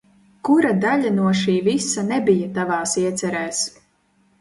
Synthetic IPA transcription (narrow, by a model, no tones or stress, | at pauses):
kuɾad̪aʎʲanuɔʃiːvisanɛbijat̪avaːsiɛt̪sɛɾɛːs